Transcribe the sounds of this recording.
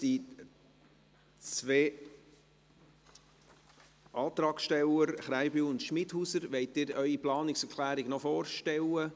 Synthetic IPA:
d̥i | t͡sʋeː | ʔɑːt̪ɾɑːksʃtɛləɾχɾæɪbyːʊnt̪ʃmɪthusəɾʋɛɪtɪːɾœʏiplɑːnɪksəɾkʰlæːɾɪɡnɔfoːrʃtɛlə

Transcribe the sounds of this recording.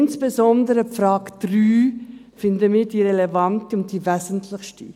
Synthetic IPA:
nsb̥ezɔndəɾəpfraːkd̥ryː | fɪndəmiːdiːɾelevɑntəʊnt̚d̥ivɛzəntʰlɪxʃti

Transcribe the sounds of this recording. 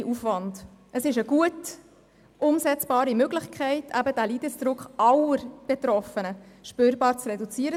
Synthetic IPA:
ʔufvɑndʔəsɪʃəɡ̥uət | ʔʊmsɛt͡sb̥ɑːɾimøɡlɪχkʰɛɪtʰæbədæliːdəsd̥ɾʊkχʔɑləɾb̥etɾɔfənəʃpøːɾbɑːɾt͡srɛdut͡siəɾə

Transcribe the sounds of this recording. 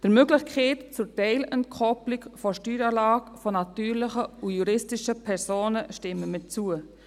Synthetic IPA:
d̥əɾmøɡlɪxkʰeːtt͡sʊɾtɛɪləntkʰɔplɪkfɔʃtyːɾɑːlɑːɡfɔnɑtyːɾlɪχəujuɾɪstɪʃəpʰɛɾsoːnəʃtɪmːəmɪt͡suə

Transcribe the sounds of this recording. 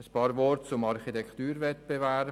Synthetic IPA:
əspɑːɾʋɔrtt͡sʊmɑɾχitɛkχt̪yːɾvɛt̪b̥eʋɛ

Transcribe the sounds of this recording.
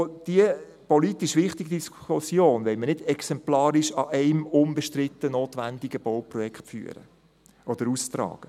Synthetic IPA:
d̥iə | pɔlitiʃʋɪχt̪iɡid̥̪iskusjoːnʋɛmənɪdɛksɛmplɑːɾɪʃɑʔɛɪmʊmbəʃtɾɪt̪ːənoːt̪ʋænd̪iɡəb̥owprɔjɛkχfy̰əɾə̰ | ʔɔd̥̪əɾust̪rɑ̰ːɡ̥ə

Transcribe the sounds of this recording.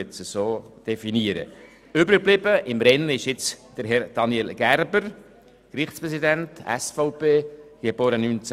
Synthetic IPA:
ɛt͡səsoːd̥ɛfiniəɾə̰ | ʏbɾɪk̚blɪbəʔɪmɾɛnːɪʃjɪt͡sd̥əɾɦɛɾd̥ɑnjelɡ̥æɾbəɾ | krɪχtt͡spʁɛs̬idɛntɛ̰sfɔʊpeːɡ̥eboːɾənyːnt͡s

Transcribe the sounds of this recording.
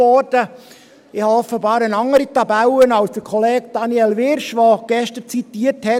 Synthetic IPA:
ɔd̥ə | ɪhɑɔfːəbɑːɾənɑŋːəɾit̪ɑbælənɑlsd̥əɾkʰɔleːɡd̥ɑniɛlʋɪɾʃʋoɡ̥ɛʃtəɾt͡sit̪iːəɾthɛ

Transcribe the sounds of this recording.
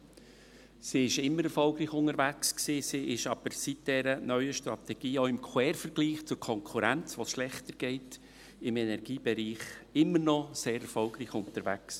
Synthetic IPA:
siɪʃɪmːəɾɛɾfɔlɡɾiːçʊŋəɾvæksksiːsiʔɪʃɑb̥əɾsit̚d̥ɛɾənœʏəʃtrɑ̰tɛɡ̥iːoʊɪmkʰwɛːɾfəɾɡ̥liːχt͡sʊɾkʰɔŋkʰuɾænt͡sʋosʃlɛχtəɾɡ̥ɛɪt | ɪmɛnɛɾɡ̥iːbɛɾiːχɪmːənɔseːɾɛɾfɔlɡɾiːçʊntəɾvæks

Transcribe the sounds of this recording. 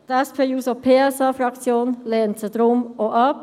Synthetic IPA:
dɛspʰeːjuːsopʰeːɛsɑːfrɑkt͡sjoːnlɛːntsəd̥ɾʊmoʔɑp

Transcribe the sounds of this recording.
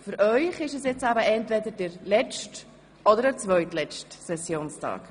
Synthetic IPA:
fyɾʔœʏχɪʃɛsjɪt͡sæbəʔɛntvɛdəɾd̥ɛɾlɛt͡ʃt | ɔdəɾdɛːt͡svœʏtlɛt͡ʃtsɛsjoːnstʰɑ̰ːk

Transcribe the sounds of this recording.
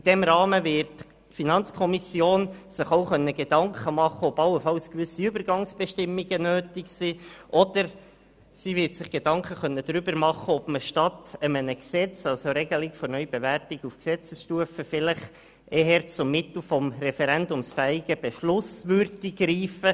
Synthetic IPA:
id̥ɛmɾɑːməvɪɾt | finɑnt͡skʰɔmisjoːnsɪχoʊχœnːəɡ̥ed̥ɑŋkχəmɑχːəɔbɑlːəfɑlskʋʏsːiʏbəɾɡɑŋsb̥ɛʃtɪmːiɡənøːtiksiːʔɔd̪̥əɾ | sivɪɾtsɪχɡ̥ed̥ɑŋkχəχœnːəd̥̪ɾʏbəɾmɑχːəɔb̥məʃtɑtəmənəksɛt͡sɑlsoɾɛɡ̥əlɪkfɔɾnœʏb̥eværtɪɡufksɛt͡səsʃtuəfəfɪləχ | ʔeɦɛɾt͡sʊmːɪt̪l̩ˠfɔmrɛfɛɾændʊmsfæɪɡ̥əb̥eʃlʊsʋøɾdiɡɾiːfə

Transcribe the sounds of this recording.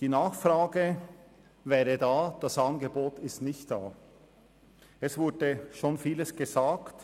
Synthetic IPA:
d̥iːnaːχfraːɡə | vɛːʁədaːd̥asanɡəboːtɪstnɪçtd̥aː | ɛsv̥ʊɐdəʃoːnfiːləsɡ̥əzaːkt

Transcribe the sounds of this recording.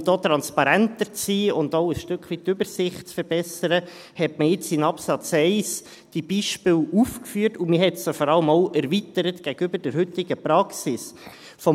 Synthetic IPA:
d̥oːt̪ɾɑnspɑɾæntəɾt͡siːʊndoʊəsʃtøkχʋitːʏbəɾsɪχtt͡sfəɾb̥ɛsəɾə | hɛtməjɪt͡sɪnɑpsɑt͡sɛɪs | d̥ib̥iʃpɪːlufkfyːtumɪɦɛtsd̥ofɔɾɑləmoʊʔɛɾvitəɾətɡ̥æɡəʏbəd̥əɾhʏtɪɡ̥əpɾɑksɪs | fɔ

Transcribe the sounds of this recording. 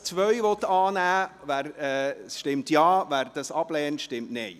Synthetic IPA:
t͡sʋœʏʋɔtɑːnæːvæɾɛsʃtɪmtjɑːvæɾd̥ɑsɑb̥lɛːntʃtɪmtnɪ

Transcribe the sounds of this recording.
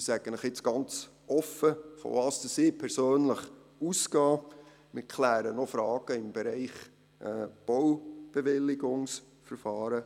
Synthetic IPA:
sæɡ̥ənɪχɪt͡sɡ̥ɑnt͡s | ɔfəfɔ̰vɑːsd̥əsɪːpʰɛɾsøːnləχ | uskɑː | mɪkʰlæːɾənɔfɾɑːɡ̥əɪmb̥eɾɛɪχ | ʔɛːb̥ɔwb̥eʋɪlːɪɡʊŋs | fəɾfɑːɾə

